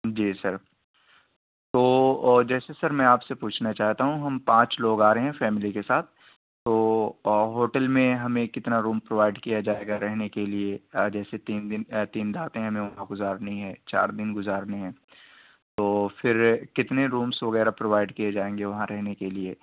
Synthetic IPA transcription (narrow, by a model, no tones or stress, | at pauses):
d͡ʒiːsɐɾ | t̪oːd͡ʒɛːsesɐɾmɛ̃ːaːpsepuːt͡ʃʰnat͡ʃaːɦt̪aɦũɦɐmpãːt͡ʃloːɡaːɾeɦɛ̃fɛːmɪlikesaːt̪̚ʰ | t̪ːoːɦoːʈəlmẽɦɐmẽkɪt̪naɾuːmpɾoʋaːɪɖkijad͡ʒaːeːɡaɾɛɦnekelied͡ʒɛːset̪iːnd̪ɪnt̪iːnd̪aːt̪ẽɦɐmẽʋɐɦãɡʊzaːɾnɐĩɦɛ̃ːt͡ʃa̰ːɾd̪ɪnɡʊzaːɾniɦɛ̃ː | t̪oːfɪɾkɪt̪neɾuːmsʋɐɣɛːɾapɾoːʋaːɪɖkijed͡ʒaːẽːŋɡeʋɐɦãɾɛɦnekelieː